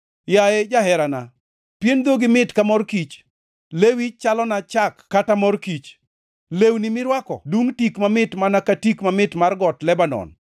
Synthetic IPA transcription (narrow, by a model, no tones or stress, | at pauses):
jajed͡ʒaɦɛɾana | pjend̪oɡɪmɪtkamɔrkit͡ʃ | lewit͡ʃalɔnat͡ʃakːatamɔrkit͡ʃ | lewnimɪɾwakɔ̰duŋtikmamɪtmanakatikmamɪtmarɡɔtlɛbanɔ̰n